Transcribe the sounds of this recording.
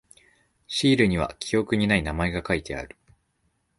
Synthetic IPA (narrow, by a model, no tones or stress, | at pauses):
ɕiːɾɯ̟ɲ̟iβ̞a̰kʲʰijo̞kɯ̟ɲ̟inainamae̞ɡakait̪ʰe̞a̰ɾɯ̟̥